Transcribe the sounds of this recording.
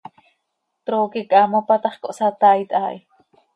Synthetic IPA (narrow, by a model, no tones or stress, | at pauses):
t̪ɾoːkikʼamopat̪ɑχkoʔsat̪ait̪ʔaːʔi